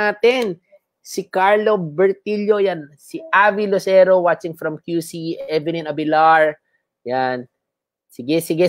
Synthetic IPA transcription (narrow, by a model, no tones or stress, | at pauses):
aːt̪ɛn | sɪkaɹlobɛɹt̪iljojansiʔavilosɛɾowat͡ʃɪ̃ŋfɾɐmkjusiʔɛvɪnĩnɐbɪlaɹ | jan | sɪɡɛsɪɡɛ